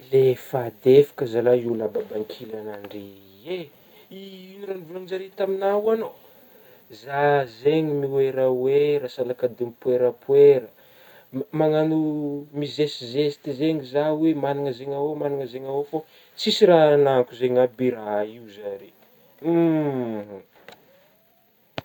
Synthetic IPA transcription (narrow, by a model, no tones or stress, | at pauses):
lefad̪efḁkəzalailababaŋkʰilanaɳɖ͡ʐe | e | iinuɾanivuland͡ʒaɾet̪aminawano | zazeɲimiweɾəweɾasalakad̪emipweɾəpweɾə | maŋanumizesizest̪izeŋizawemaniŋəzeŋawomaniŋəzeŋawofo | sisiɾaanaŋkuzeɲabiɾaiuzaɾe